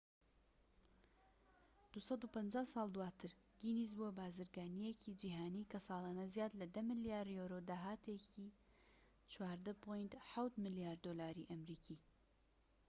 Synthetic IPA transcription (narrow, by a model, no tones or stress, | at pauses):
d̪̥usɐd̪upɐnd͡ʒaːhsɑːlˠd̪uwaːt̪ʰɨɾ | ɡinis̬bubaːzɨɾɡaːnijecʰid͡ʒiːɦaːniːkɐsɑːlaːnɐzjaːd̪lɐd̪ɐmɨlijaːɾjoɾod̪aːɦaːt̪ʰeki | t͡ʃʰwaːɾd̪ɐpʰojnt̪ħawt̪mɨlijaːɾd̪olaːɾiʔɐmɾiːkʰiː